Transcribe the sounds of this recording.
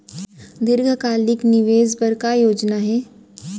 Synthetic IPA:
d̪ɪɾɡʱəkaːlɪknɪʋeːzbəɾkajoːd͡ʒnaɦɛː

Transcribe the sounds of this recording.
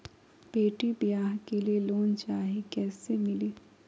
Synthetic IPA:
beːʈibɪjaːɦkelieloːnt͡ʃaːɦikɛːsemɪliː

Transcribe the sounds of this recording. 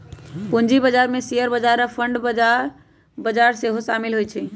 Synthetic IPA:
pund͡ʒibəd͡ʒaɾmesijəɾbəd͡ʒaɾapʰəɳɖbəaɾ | bəd͡ʒaɾseɦosamilɦojt͡ʃʰɛ

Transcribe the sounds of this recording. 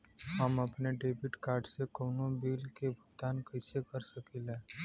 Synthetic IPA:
həmapneʈebiʈkaɾɖsekəwnobiːlkebʱut̪ankəsekəɾsəkilẽ

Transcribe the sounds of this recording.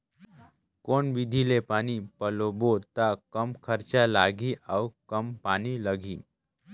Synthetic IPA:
koɳʋid̪ʱilepaɽ̃ipəlobot̪akəmkʰəɾt͡ɕalaɡiawkəmpañiləɡʱiː

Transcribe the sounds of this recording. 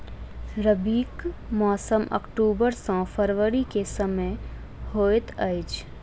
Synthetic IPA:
ɾəbiːkmɔːsəmə̰kʈuːbəɾsɔ̃pʰəɾʋəɾikesəmə | hoːet̪əɪt͡ʃ

